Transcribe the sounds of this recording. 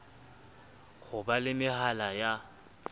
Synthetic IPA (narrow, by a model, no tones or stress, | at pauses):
ɣʰʊbalɪmɪhalaja